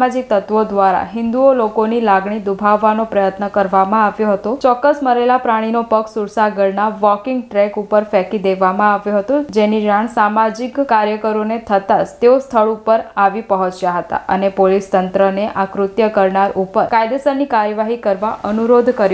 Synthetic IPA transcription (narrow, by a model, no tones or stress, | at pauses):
ad͡ʒik̚t̪ət̪ʋod̪ʋaɾa̰ɦɪnd̪uolokonilaɡɳ̃id̪ubʱaʋːanopɾəjət̪nəkəɾʋamãaʋjoɦət̪ot͡ʃɔkːəsməɾelapɾaɽ̃inopəksuɾsaɡəɾnaʋɔkɪŋɡʈɾɛkupəɾfɛkid̪eʋamãaʋjõɦət̪od͡ʒeniɾaɳ̃samad͡ʒikkaɾjəkəɾonet̪ʰət̪ad͡ʒt̪eost̪ʰəɭupəɾaʋipəɦɔ̃t͡ʃjaɦət̪a̰ʔənepolist̪ənt̪ɾəneʔakɾʊt̪jəkəɾɳaɾʔupəɾkajd̪esəɾnikaɾjəʋaɦikəɾʋaʔənuɾod̪ʱkəɾ